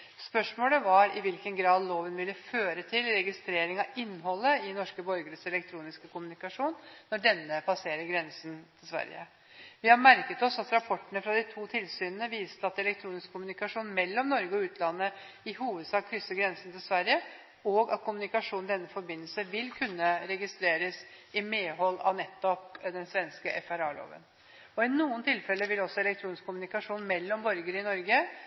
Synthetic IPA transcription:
spœʂmoːləʋɑɾɪʋɪlkənɡɾɑːd̪loːʋənʋɪlːəføːɾət̪ʰɪlɾɛɡɪst̪ɾeːɾɪŋɑɪnːɦɔlːəɪnɔʂkəbɔɾɡəɾəsɛlɛk̚t̪ʰɾuːnɪskəkʊmʉnɪkɑʂuːnːɔɖɛnːəpʰɑseːɾəɾɡɾɛnsənt̪ʰɪlsʋæ̰ɾjə̰ | ʋɪhɑɾmæɾkət̪ɔsɑt̪ɾɑpʰɔʈːəɳəfɾɑd̪ɪt̪ʰuːt̪ʰɪlsyːnənəʋiːst̪əɑt̪ɛlɛk̚t̪ʰɾuːnɪskʰːʊmʉnɪkɑʂuːnmɛlːɔmnɔɾɡəɔʉːt̪ʰlɑnːə | ɪɦuːʋəd̪sɑːkʰːɾʏsːəɡɾɛnsn̩t̪ʰɪlsʋæɾjə | ɔɡɑ̰t̪̚kʰʊmʉnɪkɑʂuːnnd̪ɛnːəfɔɾbɪnːəlsəʋɪlkʰʉnːəɾɛɡɪst̪ɾeːɾəs | ɪmeːɦɔlːɑ̰ʋnɛt̪ːɔpd̪ɛnsʋɛnskəʔɛfæɾɑːlo̰ːʋə̰n | ɔɪnuːənt̪ʰɪlfɛlːəʋɪlɔsɔɛlɛkt̪ʰɾuːnɪskʰːʊmʉnɪkɑʂuːnmɛlːɔmbɔɾɡəɾəɪnɔɾɡə

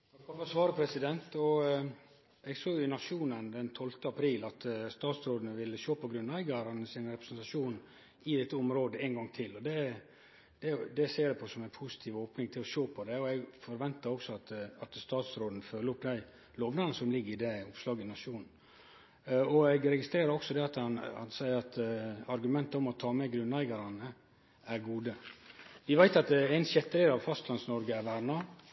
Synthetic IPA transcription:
kʰɑfɔsʋɑːɾəpʰɾɛsɪd̪ɛnt̪ɔ | ɛɡsoːʏnɑʂuːnənd̪ɛnt̪ʰɔlt̪əɑpʰɾiːlɑt̪st̪ɑːt̪sɾoːd̪ənəʋɪlːəʃoːpʰɔɡɾʉnːæɪɡɑɾənəsɪnɾɛpɾəsɛnt̪ɑʂuːn | ɪd̪ɛt̪ːəʊmɾoːd̪əɛnɡɑŋt̪ʰɪlːɔd̪ɛ | d̪̥ɛd̪ɛseːd̪ɛpʰɔsɔmæɪnpʰʊsɪ̥t̪ʰiːʋoːpnɪŋt̪ʰɪlɔʃoːpʰɔd̪ɛɔɛɡfɔɾʋɛnt̪əɾɔksɔɑt̪ɑt̪st̪ɑːt̪sɾoːd̪n̩føːləɾɔpd̪æɪ | loːʋnɑnəsɔmlɪɡːəɾɪd̪ɛʊpslɑːɡəɪnɑʂuːnn̩ | ɔɛɡɾɛɡɪst̪ɾeːɾəɾɔksɔd̪ɛɑt̪ɑnɑnsæɪəɾɑt̪ɑɾɡʉmɛnt̪əɔmɔt̪ʰɑːmɛɡɾʉnlæɪɡɑɾɑnə | æɾɡuːd̪əʋɪʋæɪt̪ɑt̪æɪnsjɛt̪ːəlɪːɾɑʋfɑst̪ʰlɑnsnɔɾɡəæɾʋæɾnɑ

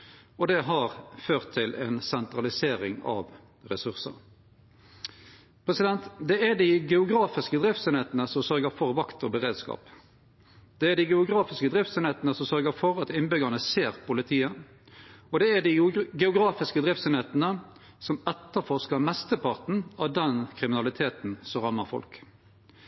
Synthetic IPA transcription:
ɔd̪ɛɦɑɾføːʁt̪ʰːɪlʔɛ̰nsɛnt̪ɾɑlɪseːɾɪŋɑ̰ʋ | ʁɛsʉʁsə̰ɾ | pʰʁɛsɪd̪ɛnt̪d̪ɛæd̪ɪɡɛʊɡɾɑːfɪskəd̪ɾɪft̪sɛneːt̪ənəsɔmsœɾɡəɾfɔʁʋɑkt̪ɔbəʁeːd̪skɑ̰ːp | d̪̥ɛːd̪ɪɡɛʊɡʁɑːfɪskəd̪ʁɪft̪sɛneːt̪n̩əsɔmsœʁɡəfɔɾɑt̪ɪnbʏɡənəseːʁpʊlɪt̪ʰiːə | ɔd̪ɛæd̪ɪɡɛʊɡʁɑːfɪskəd̪ʁɪft̪sɛneːt̪nə | sɔmɛt̪ːəfɔʁskɑmɛst̪əpɑʁt̪n̩ɑʋd̪ɛnkʰʁɪmɪnɑlɪt̪ʰeːt̪n̩sɔʁɑmːəʁfɔ̰lk

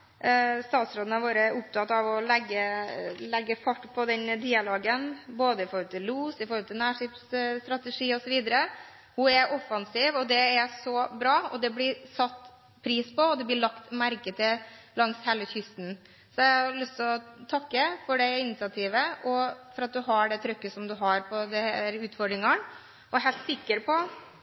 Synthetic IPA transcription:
st̪ɑːt̪sɾoːd̪nəʋoːɾəɾʔʊp̚t̪ʰɑt̪ːɑʋɔlɛɡːəlɛɡːəfɑʈːpʰɔd̪ɛnd̪iːɑloːɡənboːd̪əɪfɔɾhɔlt̪ʰɪlluːsɪfɔɾhɔlt̪ʰɪlnæːʂɪpsst̪ɾɑt̪əʂiːɔsɔʋiːd̪əɾə | hʊɛɾʔɔfɑnsiːʋɔd̪ɛæsɔbɾɑːɔd̪ɛblɪsɑt̪ː | pʰɾiːspɔɔd̪ɛblɪɭɑkt̪mæɾkət̪ʰəlɑŋshɛləçʏst̪n | sɔɛæhɑɾlʏst̪ʰɪlɔt̪ʰɑkːəfɔɖɛɪnɪsɑt̪ʰiːʋəʔɔfɔɾɑt̪̚d̪ʉɦɑɖɛt̪ʰɾœkːəsɔmd̪ʉɦɑɾpʰɔd̪ɛhɛɾʉːt̪fɔɖɾɪŋɑn | ɔɛɦɛɪlt̪sɪkːəɾpʰɔ

